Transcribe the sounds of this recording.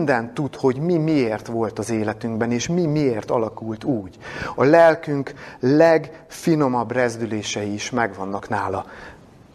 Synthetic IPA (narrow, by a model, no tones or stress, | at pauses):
nd̪ɛnt̪ːut̪ho̞ɟmimieːrt̪ʋo̞lt̪ɒzeːlɛt̪yŋɡbɛneːʃmimieːrt̪ɒlɒkult̪uːɟɒlɛlkyŋklɛɡfino̞mɒbrɛzd̪yleːʃɛjiiʃmɛɡʋɒnːɒknaːlɒ